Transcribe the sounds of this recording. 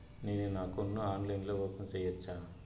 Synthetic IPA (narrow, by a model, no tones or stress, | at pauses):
neːnunaːkunːuaːnlɐjnloːʋɔːpɐnsɐjɐt͡ʃːaː